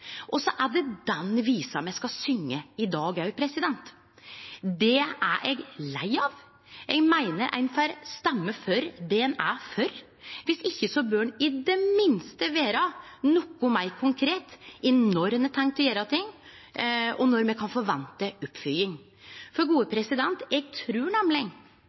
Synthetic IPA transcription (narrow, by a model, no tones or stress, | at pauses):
ʔɔsɔʔæɖɛd̪ɛnʋiːsɑmɛɪskɑsʏŋːəɪd̪ɑːɡæpʰɾɛsɪd̪ɛnt̪ | d̪ɛæʔɛɡlæɪɑːʋ | ʔɛɡmæɪnəɾʔæ̰ɪnfæɾst̪ɛmːəfœɾd̪ɛɛnæfœɾ | ʋɪsɪçːəsɔbøːnɪd̪ɛmɪnst̪əʋeːɾɑnɔkːʊmæɪkʰʊŋkʰɾeːt̪ɛnɔɾnɛt̪ʰɛŋk̚t̪ʰɔjeːɾɑt̪ʰɪŋː | ɔnɔɾmɛkʰɑnfɔɾʋɛnt̪əʊpːfʏlɪŋ | fɔɾɡuːəpʰɾɛsɪd̪ɛnt̪ɛɡt̪ʰɾʉːɳæmlɪŋ